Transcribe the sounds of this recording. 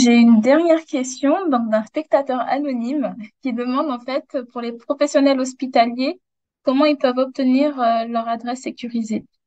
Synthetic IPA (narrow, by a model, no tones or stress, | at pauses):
ʒeynd̪ɛʁnjɛʁkʲɛst̪jɔ̃d̪ɔ̃k̚d̪ɛ̃spɛk̚t̪at̪œʁa̰nɔnimkʲid̪əmɑ̃d̪ɑ̃fɛt̪puʁlepχɔfɛsjɔnɛlɔs̬pit̪alje | kɔmɑ̃ilpœvɔp̚t̪əniʁølœʁad̪ʁɛsːekʲyʁize